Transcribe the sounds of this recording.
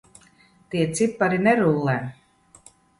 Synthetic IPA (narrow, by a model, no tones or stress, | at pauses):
t̪iɛt̪sipːaɾinɛɾulˠːɛ